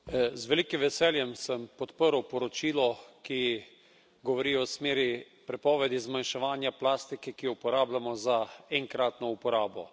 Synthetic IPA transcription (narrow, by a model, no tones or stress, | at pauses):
zʋɛliːkimʋɛsɛːljɛmsəmpɔt̪pəɾwpɔɾɔt͡ʃiːlɔki | ɡɔʋɔɾiːɔsmeːɾi | pɾɛpɔːʋɛd̪izmanʃɛʋaːnjaplaːst̪ikɛkiupɔɾaːblamɔzaɛŋkɾaːt̪nɔupɔɾaːbɔ̰